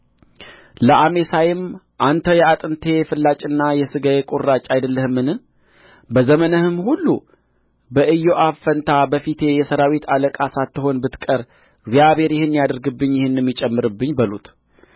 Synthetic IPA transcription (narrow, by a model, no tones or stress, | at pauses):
ləʔame̞sajɪm | ʔant̪ʰəjɛat̪ʼɨnt̪ʰe̞fɨlːat͡ʃʼɨnːajɛsɨɡajekʼurːat͡ʃʼːajd̪əlːəhɨmːɨnɨ | bəzəmənəhɨmhulːu | bəʔɨjːoʔafənt̪ʰabəfit̪ʰe̞jɛsəɾawit̪ʰaləkʼasat̪ːɨho̞nbɨt̪kʼəɾ | ɡzijaβe̞ɾjɪhɨnːjad̪əɾɡɨbːɨɲːjɪhɨnːjɛmːit͡ʃʼɛmːɨɾɨbːɨɲːbəlṵt̪